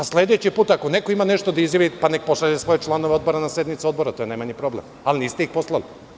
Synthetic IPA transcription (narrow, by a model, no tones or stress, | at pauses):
asle̞d̪e̞t͡ɕipuːt̪akone̞ko̞imane̞ʃt̪od̪aizjaʋipanek̚po̞saʎesʋo̞jet͡ʃlˠanoʋeod̪bo̞ɾanasje̞d̪nit̪so̞d̪bo̞ɾat̪ojenajmaɲipɾo̞blem | aliniːst̪eixpo̞slali